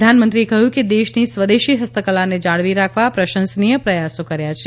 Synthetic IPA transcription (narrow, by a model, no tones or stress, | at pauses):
anmənt̪ɾiekəɦjũked̪eʃnisʋəd̪eʃiɦəst̪əkəlaned͡ʒaɭʋiɾakʰʋapɾəʃə̃nsnijəpɾəjasokəɾjat͡ʃʰe